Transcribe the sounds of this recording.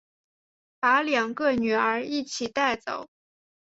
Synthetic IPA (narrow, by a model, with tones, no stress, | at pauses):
pa˧˥ljɑ˨˩ŋkə˥˩ny˨˩ə˞˧˥i˥˩t͡ɕʰi˨˩t̪a˥˩ɪt͡so˨˩˦ʊ